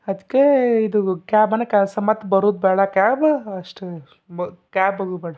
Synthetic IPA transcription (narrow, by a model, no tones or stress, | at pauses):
ɐd̪ikːeid̪ukaːbɐnːɐkʲɛlsɐmɐt̪ːbɐɾuːd̪̚bɛːɽɐkʲaːbɐʂʈ | kʲaːbbɐɡuːbɛːɽɐ